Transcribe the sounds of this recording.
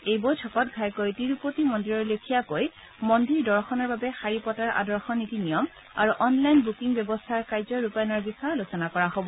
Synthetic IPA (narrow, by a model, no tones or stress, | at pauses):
ejbojtʰɔkɔtɡʱajkojtiɹupotimɔndiɹɔɹlokʰijakoj | mɔndiɹdɔɹxɔnɔɹbabɛxaɹipɔtaɹʔa̰dɔɹxɔnitinijɔm | aɹuʔɔnlajnbukiŋbjɛbɔstʰaɹkajzɔɹupajnɔɹbisaɹlosɔnakɔɹaɦobɔ